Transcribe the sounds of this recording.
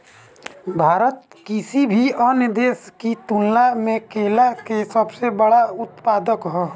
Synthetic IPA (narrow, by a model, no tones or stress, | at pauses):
bʱaːɾət̪̚ | kɪsibʱiɔːnəd̪eːskit̪ʊnlamẽkeːlakesəbsebəɽaʊt̪paːd̪əkɦoː